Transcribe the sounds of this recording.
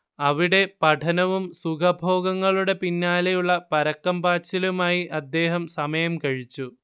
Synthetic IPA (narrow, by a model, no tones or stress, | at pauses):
ɐʋiɽe̞pɐʈʰɐnɐʋumsukʰɐbʱo̞ːɡɐŋːɐɭuɽe̞pinːaːlɐjuɭːɐpɐɾɐkːɐmbaːt͡ɕːɐlumaːjiʔɐd̪ːe̞ːɦɐmsɐmɐjɐmkɐɻit͡ɕːu